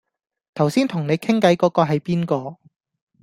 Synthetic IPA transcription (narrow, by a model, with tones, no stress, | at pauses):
t̪ʰɐ˨˩wsiː˥nt̪ʰʊ˨˩ŋne˨˧jkʰɪ˥ŋkɐ˨˥jkɔː˨˥kɔː˧ɦɐ˨jpiː˥nkɔː˧